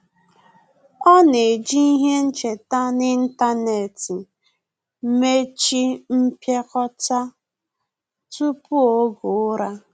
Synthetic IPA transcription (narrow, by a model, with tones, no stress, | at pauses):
ɔ˦ne˨d͡ʒi˦i˦ɦe˦n̩˦t͡ʃe˨ta˦nɪ˦n̩˦ta˦ne˨ti˨˦ | me˦t͡ʃi˦m̩˦pje˦kɔ˦ta˦ | tu˦pu˦o˦ɡo˨ʊ˦ɾa˦